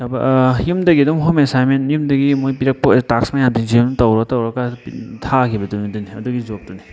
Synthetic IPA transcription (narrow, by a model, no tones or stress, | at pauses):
tɐbɐjumdɐɡiɐdumɦomesajmenjumdɐɡimojpiɾɐk̚pɔtaksmajantiŋzimnutɐwɾatɐwɾakatʰakʰibɐtuniduniɐduɡizop̚tuni